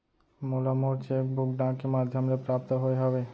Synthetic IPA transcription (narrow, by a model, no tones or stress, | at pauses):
molamoɾt͡ʃek̚bukɖãkemad̪ʱjomɾepɾap̚t̪oɦoeɦɔbe